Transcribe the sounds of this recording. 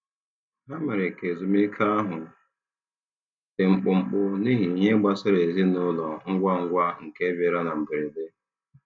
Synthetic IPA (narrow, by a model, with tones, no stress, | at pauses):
ɦa˦ma˨ɾe˨ke˨zu˨mi˦kʰa˦a˦ɦʊ˨ | te˨ŋ͡m̩˨k͡pʊ˨ŋ͡m̩˨k͡pʊ˦ni˦ɦi˨ɲe˦ɡ͡ba˦sɪ˦ɾe˨zi˦nʊ˦lɔ˨ŋ̩˦ɡʷa˦ŋ̩˦ɡʷa˦ŋ̩˨ke˦be˨ɾa˦na˨m̩˨bɪ˨ɾi˨de˦